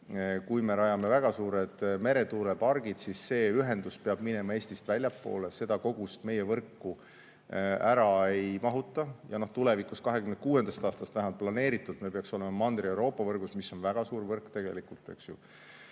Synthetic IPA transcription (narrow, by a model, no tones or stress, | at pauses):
kujme̞ɾɑjɑme̞væɡ̥ɑsuːɾed̪̥me̞ɾe̞t̪uːɾepɑrɡ̥id̪̥sisːe̞ːyɦe̞nd̪̥uspeɑb̥mine̞mɑe̞ːsʲt̪ist̪vælʲjɑpːˑo̞̰ːle̞se̞d̪̥ɑko̞ɡ̥ust̪me̞jevɤrkːu | æɾɑe̞jmɑɦut̪ːˑɑjɑno̞ht̪ule̞vikuskɑɦe̞kymnkuːe̞nd̪̥ɑst̪ɑːst̪ɑst̪væɦimɑlt̪̚plɑne̞ːɾit̪ːˑult̪mepeɑkso̞le̞mɑmɑnd̪̥ɾiewɾo̞ːpːˑɑvɤrɡ̥usmisːo̞nvæɡ̥ɑsuːrvɤrkt̪e̞ɡ̥e̞̰likult̪ːˑḛksju